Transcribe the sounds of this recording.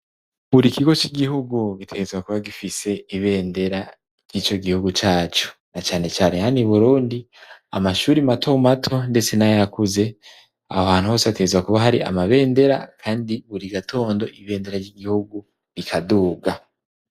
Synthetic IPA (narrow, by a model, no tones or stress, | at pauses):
βuɾikiɡo̞t͡ʃiɡiɦuɡuɡitʰe̞ɡe̞zɡwakuβaɡifise̞iβe̞ːnde̞ɾa | ɾjiːt͡ʃo̞ɡihuɡut͡ʃaːt͡ʃo̥nat͡ʃaːne̞t͡ʃaːne̞haniβuɾuːndi | a̰maʃuːɾimatʰoumatʰo̞nde̞t͡se̞najjakuze̞ | ahoaːn̥huhoːseβate̞ɡezɡwakuβaɦaɾiʔa̰maβe̞ːnde̞ɾa̰kʰaːndiβuɾiɡatʰo̞ːndo̞ʔiβe̞ːnde̞ɾaɾjɟiɡihuɡu | βikʰaduːɡa